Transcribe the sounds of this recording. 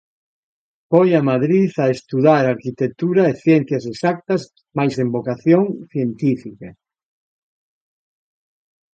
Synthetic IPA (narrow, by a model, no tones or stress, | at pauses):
pojamaðɾiθaest̪uðaɾaɾkit̪et̪uɾaeθjɛn̟θjasesak̚t̪ɐz | majsembokaθjõŋθjent̪ifika